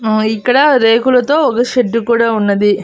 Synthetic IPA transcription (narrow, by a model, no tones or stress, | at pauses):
ikːɐɽɐɾeːkulɐt̪o̞ːɔkɐʃeʈːukuːɽaːunːɐd̪i